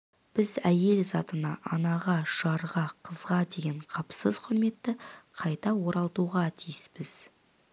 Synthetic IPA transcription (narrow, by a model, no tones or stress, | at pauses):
b̥ɪzæje̞lzɑt̪ənɑʔɑnɑʁɑʃɑɾʁɑqʰəzʁɑd̪e̞ɡʲe̞ɴqʰɑpsəzqʰʊɾme̞t̪ːɪqʰɑjt̪ɑwo̞ɾɑlˠt̪uʁɑt̪ʰijɪspɪz̥